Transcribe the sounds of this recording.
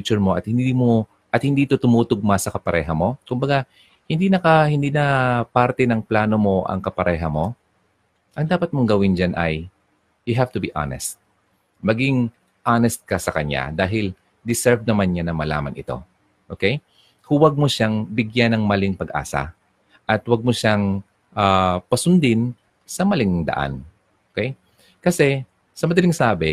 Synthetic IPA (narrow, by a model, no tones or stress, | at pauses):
t͡ʃʊɹmo̞ʔɐt̪̚hɪnd̪iːmo | ʔɐt̪̚hɪnd̪iːt̪ot̪ʊmuːt̪ʊɡ̚masɐkɐpɐɾɛ̰ːɦɐmo̞kʊmbɐɡa | hɪnd̪inɐkɐhɪnd̪iːnɐpaɾt̪ɛnɐŋplaːno̞mo̞ʔɐ̰ŋkɐpɐɾʔɛːɦɐmo̞ | ʔɐŋd̪aːpɐt̪̚moŋɡɐwɪnd͡ʒanʔɐj | jʊɦaft̪ʊbiʔa̰nɛ̰st̪̚ | mɐɡɪŋ | ʔanɛst̪̚kɐsɐkɐɲa̰d̪aːɦɪl | d̪ɪsɛɹvnɐmanɲanɐŋmɐla̰ːmɐnʔɪt̪o̞̰ | ʔoːkɛj | hʊwɐɡ̚moʃaŋbɪɡjanɐŋmɐlɪŋpɐɡʔa̰ːsɐ̰ | ʔɐt̪wɐɡ̚moʃaŋ | ʔaːpɐsʊnd̪ɪn | sɐmɐlɪŋd̪ɐ̰ʔa̰n | ʔokɛj | kɐsɛ | sɐmɐd̪ɐlɪŋsaːbɛ